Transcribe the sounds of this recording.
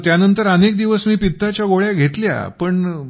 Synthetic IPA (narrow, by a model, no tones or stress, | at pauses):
t̪janənt̪əɾənek̚d̪iʋəsmiːpit̪ːat͡ɕjaɡoɭjaɡʱet̪lja̰pəɳ